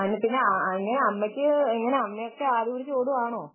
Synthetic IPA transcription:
ɐinːepinːeiŋːɐneɐmːɐkʲːɨiŋːɐneɐmːejokːeaːðuʋuɾit͡ɕːoːɽuʋaːɳoː

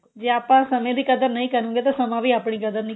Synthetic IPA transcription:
d͡ʒeːaːpãːsəmẽːd̪iːkəd̪əɾnəĩːkəɾũːɡeːt̪ãːsəmãːʋiːaːpɳ̃iːkəd̪əɾnĩ

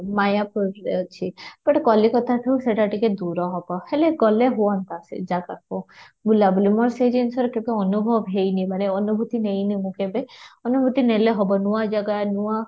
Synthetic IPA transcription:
majapuɾt͡ʃʰipɔʈkɔlikɔt̪ʰaʈʰeuseʈaʈiked̪uɾɔɦɔbɔheleɡɔleɦuant̪asḛd͡ʒakako | bʱulabulimɔɾsed͡ʒinsɔɾkẽwkeɔnubʱɔʋɦejnibaɽ̃eɔnubʱut̪inejnimukebeɔnubʱut̪ineleɦɔbɔnuad͡ʒaɡanua

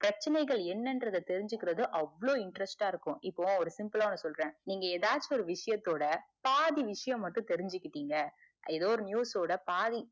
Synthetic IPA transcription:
pɾɐt͡ʃːɐnɐɪɣɐɭɛnːɛndɾɐðɐt̪ɛɾɪɲd͡ʒɯkːɪɾɐðɯʔɐʋːɐɭoːɪɳʈɾɛsʈaːɪɾɯkːʊ̃ʔɪpːõːɔɾɯsɪmpɯlaːnːɯsɔlɾẽːniːŋɡɐeːðaːɾt͡ʃːiɔɾɯʋɪʂɐjɐt̪ːoːɽɐpaːðiʋɪʂɐjɐ̃mːɐʈːɯ̃t̪ɛɾɪɲd͡ʒɯkːɪʈːiːŋɡɐ | ʔɪðoːɾɯnjuːsoːɽɐpaːði

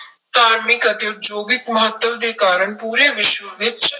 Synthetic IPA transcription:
t̪aːɾmɪkɐt̪eʊt̪d͡ʒoːɡɪkmɐɦət̪ːəʋd̪eːkaːɾəɳpuːɾeʋɪʃwəʋet̪̚t͡ʃɐ

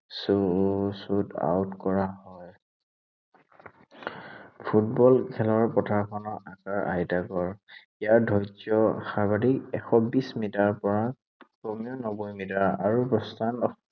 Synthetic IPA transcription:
susuda̰wtkɔɹahɔj | pʰutbɔlkʰɛlɔɹpɔtʰaɹkʰɔnɔɹakaɹʔa̰jdaɡɔɹ | ijaɹdʱɔjzɔxaɹbadikɛxɔbismitaɹpɔɹa | pɹɔmijɔnɔbɔjmidaɹaɹupɔstanɔ

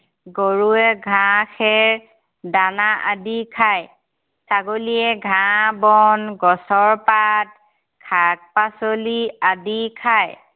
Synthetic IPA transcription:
ɡoɹuɛɡʱãxʰɛɹ | danaʔadikʰaj | saɡoliɛɡʱãbɔnɡɔsɔɹpat̚ | kʰak̚pasoliadikʰaj

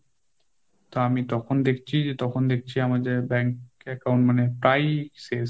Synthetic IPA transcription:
t̪ɔamit̪ɔkʰɔnd̪ekʰi̥t͡ʃʰid͡ʒet̪ɔkʰɔnd̪ekʰit͡ɕʰiamazebɛŋkɛkawnʈmanɛpɹajse

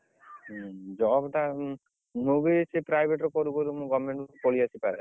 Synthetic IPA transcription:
d͡ʒɔbʈa | mubisipɾajbʱeʈɾɔkɔɾukoɾumũɡɔmeɳʈkoliasipaɾɛ

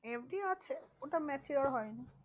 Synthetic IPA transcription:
ebɖiɔt͡ʃʰeoʈamɛt͡ʃiɾɔɭɦɔjna

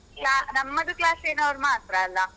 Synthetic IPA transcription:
klaːnɐmːɐd̪uklaːseːnɐʋɐɾmaːt̪ɾɐːlːɐ

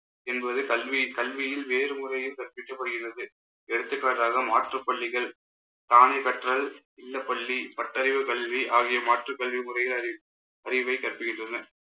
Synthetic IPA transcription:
ɛnbɐðɯkɐlʋikɐlʋɪjɪlʋeːɾɯmʊrɐjɪlkɐrpɪʈːɐpːɐɽɯɣɪrɐðɯ | ɛɽɯt̪ːɯkːaːʈɾaːɣɐmaːʈrɐpːɐɭːɪɣɐɭ | t̪aːnekɐʈrɐl | ɪlːɐpːɐɭːipɐʈːɐɾɪʋɯkɐɭʋiʔaːɣɪjɐmaːʈrɐkɐɭʋimʊrɐjɪlɐɪ | ɐɾɪʋɐɪkɐrpɯɣɪndrɐnɐ

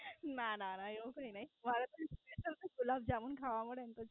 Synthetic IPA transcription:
nananajokainaɦimalat̪əɾispɾesənt̪əkulab̚d͡ʑamuːnkʰaʋamuɽent̪əd͡ʑ

